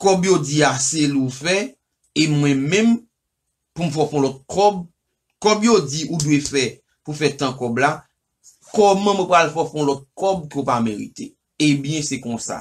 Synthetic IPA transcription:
kɔbjod͡ziaselufɛ | emwɛ̃mɛ̃m | pum̩fɔfɔ̃lɔt̪̚kʰɔb | kɔbjod͡ziʔudwefɛ | pufɛt̪ãkɔbla | kɔmɐ̃mwɛ̃pɣalfɔfɔ̃lɔt̪̚kɔbkopameɣḭt̪e | ebjɛ̃sɛkɔ̃sa̰

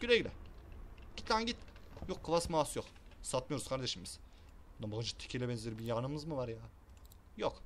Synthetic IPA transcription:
ɟ̥ylʲejlʲɛ | ɟ̥it̪ʰlʲænɟit̪jokʰːɯvasmaːsjok | sat̪̚mɯjo̞ɾuzkʰaɾd̪e̞ʃimiz̥ | nambalˠɯnd͡ʒɯ̥t̪ʰi̥cʰilʲɛbɛnzelʲeɾibijaːnɯmɯzmɯvaɾjaː | jok

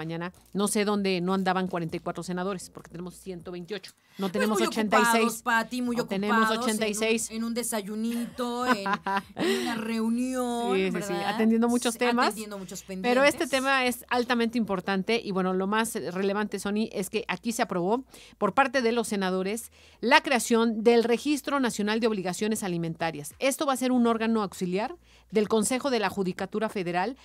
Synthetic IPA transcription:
aɲãna | no̞se̞ðo̞nd̪e̞no̞ãnd̪aβaŋkwaɾe̞nt̪ajkwat̪ɾo̞se̞naðo̞ɾe̞spo̞ɾket̪ene̞mosːje̞nt̪oβejnt̪jo̞t͡ʃo̥ | not̪enemosot͡ʃent̪aajsejspat̪imujotk̪enemossot͡ʃent̪ajssejsenũnd̪esaʝunit̪o | unareunjoisisia̰t̪end̪jend̪omut͡ʃost̪emasend̪omut͡ʃospenpeɾo̞e̞st̪e̞t̪e̞mae̞salt̪amẽnt̪eimpo̞ɾt̪ant̪e̞ʔiβwe̞nolo̞masre̞le̞βant̪e̞so̞niʔe̞ske̞ʔakise̞apɾo̞β̞o̞ | po̞ɾpaɾt̪e̞ðe̞lo̞sːe̞nað̞o̞ɾe̞s | lakɾe̞asjo̞nd̪elre̞xist̪ɾo̞nasjo̞nald̪eoβliɣasjo̞ne̞salimẽ̞nt̪aɾjase̞st̪o̞βase̞ɾuno̞ɾɣano̞awksiljaɾ | ðe̞lko̞nse̞xo̞ðe̞laxuðikat̪uɾafe̞ðe̞ɾal

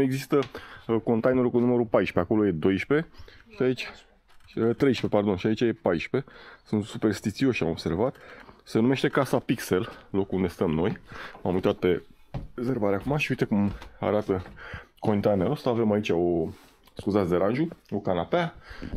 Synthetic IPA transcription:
nue̞ɡzist̪əko̞nt̪ajne̞ɾukunuməɾupajʃpe̞ako̞lo̞je̞d̪o̞jʃpe̞ʃiait͡ʃʲ | t̪ɾe̞jʃpe̞pard̪o̞nʃiait͡ʃaje̞pajʃpe̞sunt̪supe̞rst̪it̪sio̞ʃiamo̞bse̞rvat̪se̞nume̞ʃt̪e̞kasapikse̞llo̞kuund̪est̪əmno̞jmamujt̪at̪̚pe̞ | zərbaɾeakumaʃiuit̪ekuma̰ɾat̪əkont̪ajneɾosaave̞mait͡ʃʲao | skuzat̪sʲd̪eɾanʒuokanapea

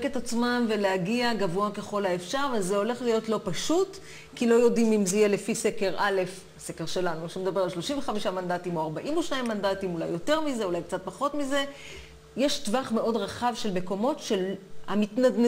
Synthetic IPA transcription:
ketat͡smamve̞lehaɡiaɡavoake̞χo̞laefʃaʁvezeo̞le̞χlijo̞tlo̞paʃut | kilo̞jo̞dimimzeijelefise̞ke̞ʁale̞f | ase̞ke̞ʁʃe̞lanuʃemed̪abe̞ʁalʃlo̞ʃimveχamiʃamandatimoaʁbaʔimoʃnaimːandatimula̰jːo̞te̞ʁmize̞ulajk̚t͡sat̚paχo̞tmize̞ | jeʃtvaχme̞ʔo̞dʁaχavʃe̞lme̞ko̞mo̞tʃe̞lhamitnadn

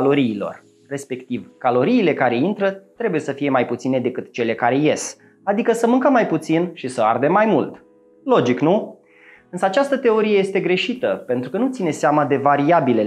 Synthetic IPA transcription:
lo̞ɾiːlo̞̰r | re̞spe̞kt̪ivkalo̞ɾiːle̞kaɾe̞int̪ɾət̪ɾe̞buje̞səfije̞majput̪sine̞d̪e̞kɨt̪t͡ʃe̞le̞kaɾe̞je̞s | ad̪ikəsəmɨŋkəmajput̪sinʃisəard̪emːajmult̪ | lo̞d͡ʒiknu | ɨnsəat͡ʃast̪ət̪e̞o̞ɾijeje̞st̪e̞ɡɾe̞ʃit̪əpe̞nt̪ɾukənut̪sine̞seamad̪e̞vaɾiabile̞

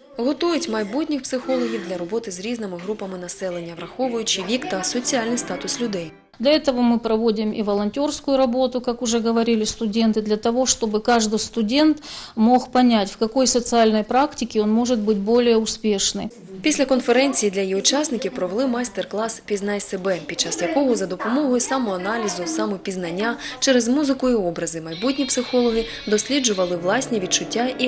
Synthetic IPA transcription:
ɣɔt̪ujʊtʲmɐjbutʲnʲixpsɪxɔlˠɔɦʲiwd̪lʲɐɾɔbɔt̪ɪzɾʲiznɪmɪɦɾupɐmɪnɐsɛlˠenʲːɐʋɾɐxɔʋʊjʊt͡ʃɪʋʲikt̪ɐsɔt͡sʲialʲnɨjst̪at̪ʊslʲʊd̪ɛj | d̪lʲɐɛt̪əʋəmɨpɾɐʋo̞dʲɪmḭʋɐlˠɐnʲtʲo̞rskʊjʊɾɐbo̞t̪ʊkakʊʐɛɡəʋɐɾʲilʲɪst̪ʊdʲe̞nt̪ɨd̪lʲɐt̪ɐʋo̞ʂt̪o̞bɨkaʐd̪ɨjst̪ʊdʲe̞nt̪mo̞xpɐnʲætʲfkɐko̞jsət̪sɨalʲnɐjpɾaktʲɪkʲɪo̞nmo̞ʐɨt̪̚bɨtʲbo̞lʲɪjəʊspʲeʂnɨ̰ | pʲisʲlʲɐkɔnfeɾɛnʲt͡sʲijid̪lʲɐjiʊt͡ʃasnɪkʲiwpɾɔʋelˠɪmast̪erklˠaspʲiznajsebɛpʲid̪̚t͡ʃasjɐkɔɦɔzɐd̪ɔpɔmɔɦɔjʊsamʊɐnɑlʲizʊsamʊpʲiznɐnʲːat͡ʃɛɾezmuzɪkʊiɔbɾɐzɪmɐjbutʲnʲipsɪxɔlˠɔɦɪ | d̪ɔsʲlʲid͡ʒʊʋɐlˠɪʋlˠasʲnʲiʋʲid̪̚t͡ʃʊtʲːaʔi

